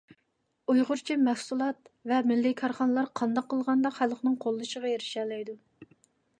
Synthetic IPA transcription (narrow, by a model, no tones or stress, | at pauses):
ujʁʊɾt͡ʃʰimɛfsulˠɑt̪vɛmɪlːɪkʰɑɾχɑnəlˠɑɾqʰɑnd̪ɑqʰːəlˠʁɑnd̪ɑqχælˠχnɨŋqʰolˠːɨʃəʁɑjeɾɪʃɛːlɛjd̪u